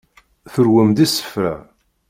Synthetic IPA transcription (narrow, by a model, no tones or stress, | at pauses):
θəɾwəmd̪isə̥fɾa̰